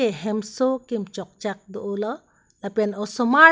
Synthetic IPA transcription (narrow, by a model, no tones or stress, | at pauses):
eɦemsokimt͡ʃɔk̚t͡ʃak̚d̪oʔolɐ | lɐpenosoma